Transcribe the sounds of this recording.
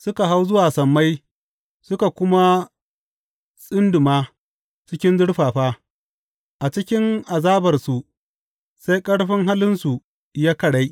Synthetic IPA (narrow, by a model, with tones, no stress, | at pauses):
sʊ˦ka˨ɦa˦wzʊ˦waː˨sɐ˨mːa˦j | sʊ˦ka˨kʷʊ˦ma˦ | sʼɪ˦ndʊ˨maː˦ | t͡ʃɪ˦kʲɪ˦nzʊ˦ɽɸaː˨ɸaː˦ | ʔa˨t͡ʃɪ˦kʲɪ˦ŋʔa˨zaː˦bɐ˨rsu˨ | sa˦jkʼɐ˦ɽɸɪ˦ŋɦa˦lɪ˦nsu˨ | jaː˦kɐ˨ɽa˦j